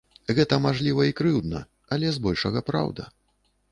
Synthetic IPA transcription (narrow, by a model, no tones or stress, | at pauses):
ɣɛt̪ɐmaʐlʲivɐikɾɨwd̪nɐ̰ | ɐlʲɛzbɔlʲʂɐɣɐpɾa̰wd̪ɐ